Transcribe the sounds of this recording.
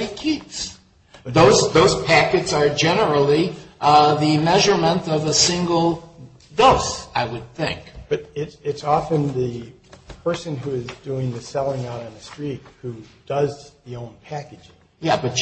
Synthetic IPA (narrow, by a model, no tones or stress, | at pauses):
ikʰɪdz̥ | ðoʊzðoʊz̥pʰækɨtsə˞d͡ʒɛnə˞l̩ˠi | ðɨmɛʒə˞mə̃ntʌvəsɪ̃ŋɡl̩ˠ | doʊsaɪwɨd̪̥̚θɪ̰̃ŋkb̥ʌɾɪtɨtsɑfɨ̃nðɨ | pʰɜ˞sɨ̃nɦuɪzduɪ̃ŋðɨsɛlˠɪ̃ŋaʊɾ̃n̩ðɨstɹ̥it̚hud̥ʌzðiõʊ̃npʰækɨd͡ʒɪ̃ŋ | jæb̥ʌt̚